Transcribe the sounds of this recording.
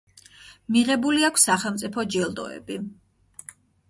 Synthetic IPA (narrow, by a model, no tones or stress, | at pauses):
miʁɛbuliakʷʰsːaχɛlˠmt̪sʼipʰɔd͡ʒɛlˠd̪ɔ̰ɛ̰bi